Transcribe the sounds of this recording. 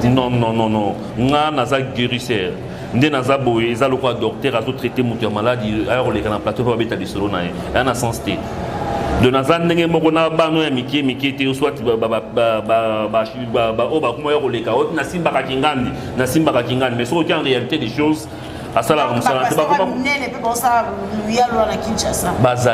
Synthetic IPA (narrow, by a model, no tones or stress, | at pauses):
nɔ̃nɔ̃nɔ̃nɔ̃ | ŋɡanazaɡeʁisɛʁ | ndenazabojeezalokɔadɔk̚tɛʁazotʁetemotujamaladiajakolekanaplatoebabetalisolonaje | aanasɑ̃stɛ | dɔ̃nazandeŋɡɛmɔkɔnabanojamikemiketɛoswatiabaoobakomajakolekaonasimbakakiŋɡandi | nasimbakakiŋɡandimɛsokokaʁealitedeʃoz | asalakamosaanatbakoanɛlepebaosallujaloanakinʃasabaza